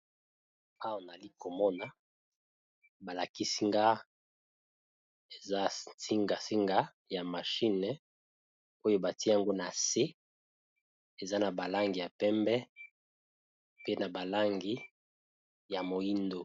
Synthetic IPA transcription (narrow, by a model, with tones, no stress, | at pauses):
a˦wa˨na˨li˦ko˨mɔ˦na˨ | ba˨la˨ki˦si˦ŋɡa˦ | e˨za˦si˦ŋɡa˨si˦ŋɡa˦ | ja˨ma˨ʃi˦nɛ˨ | o˦jo˦ba˨ti˦ja˨ŋɡo˦na˨se˦ | e˨za˦na˨ba˨la˦ŋɡi˨ja˨pɛ˦mbɛ˦ | pe˦na˨ba˨la˦ŋɡi˦ | ja˨mo˨ji˦ndo˨